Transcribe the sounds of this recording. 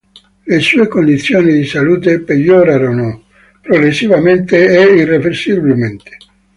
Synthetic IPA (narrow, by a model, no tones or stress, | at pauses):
lesuːekond̪it̪sːjoːnid̪isaluːt̪epeʎːoɾaɾono | pɾoɡɾesːivament̪eeirːeversibilment̪e̥